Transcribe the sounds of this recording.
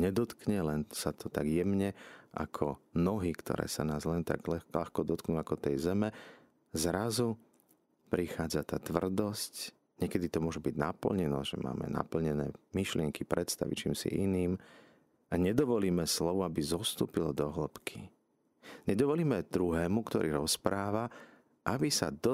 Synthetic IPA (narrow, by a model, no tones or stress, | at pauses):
ɲɛd̪ɔt̪kɲɛlɛnsat̪ʰɔt̪aɡjɛmɲɛʔa̰kʰɔnɔɦikt̪ɔ̰ɾɛ̰ːsanaːzlɛnt̪a̰ɡɛla̰xkɔd̪ɔt̪knuakɔt̪ɛjzɛmɛ | zɾazu | pɾixaːd͡zat̪aːt̪ʋr̩d̪ɔsc | ɲɛkɛd̪it̪ɔmʊɔʒɛbiɟnapl̩ɲɛnɔʒɛ̰ma̰ːmɛ̰na̰pl̩ɲɛnɛ̰ːmiʃlɪɛŋkipɾɛt̪st̪a̰ʋit͡ʃiːmsḭʔiniːm | aɲɛd̪ɔʋɔliːmɛslɔʋuabizɔst̪ṵːpilɔd̪ɔɦləpkʰi | ɲɛd̪ɔʋɔliːmɛd̪ɾuɦɛːmukt̪ɔ̰ɾʔiːɾɔspɾaːʋa | ʔabisa̰d̪